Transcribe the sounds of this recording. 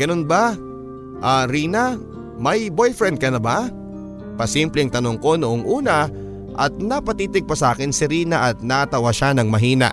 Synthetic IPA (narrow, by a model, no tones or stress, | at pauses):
ɡ̥ɐno̞nba | ʔaɾiːna | mɐjbojfɾɛnd̪̚kɐnɐba | pɐsimplɛŋt̪ɐno̞ŋko̞nʊʔoŋʔuːnɐ | ʔɐ̰t̪̚nɐpɐt̪iːt̪ɪɡ̚pɐsɐʔaːkɪnsɪɾiːnɐʔɐt̪̚nat̪ɐwaʃanɐŋmɐɦiːnɐ̰ʔ